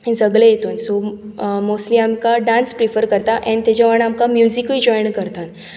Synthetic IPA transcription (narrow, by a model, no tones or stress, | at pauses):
ẽd͡zəɡɭẽjet̪uːnsomosʈliːamkaɖanspɾifəɾkəɾt̪aʔɛ̃nt̪at͡ɕaʋəɳamkamjuzikid͡ʑɔjɳkəɾt̪an